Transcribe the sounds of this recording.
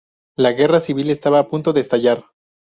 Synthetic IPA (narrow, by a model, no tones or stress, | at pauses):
laɣe̞rasiβ̞ile̞st̪aβaːpunt̪o̞ðeːst̪aʝaɾ